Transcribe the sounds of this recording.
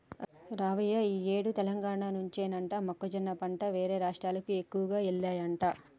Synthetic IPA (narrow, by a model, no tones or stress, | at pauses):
ɾaːʋɐjɐiːeːɽut̪ɛlɐŋɡaːɳaːnuɲt͡ʃeːnɐɳʈaːmɐkːod͡ʒɐnːɐpɐɳʈɐʋeːɾeːɾaːʂʈɾaːlɐkiekːuʋɐɡaːɛɭːaːjɐɳʈaː